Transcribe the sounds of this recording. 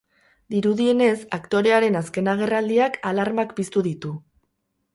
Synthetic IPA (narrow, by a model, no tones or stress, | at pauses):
d̪iɾuðie̞ne̞sakt̪o̞ɾe̞aɾe̞naske̞naɣ̞e̞rald̪iakalaɾmakpist̪uðit̪u